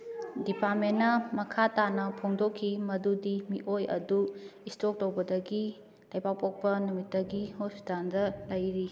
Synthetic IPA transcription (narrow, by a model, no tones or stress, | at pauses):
dipaɾmenːɐmɐkʰatanɐpʰoŋdokʰːimɐdudimiʔojɐ̰duistok̚tɐwbɐdɐɡi | lɐjbawpok̚pɐnumitːɐɡihosi̥tandɐlɐjɾi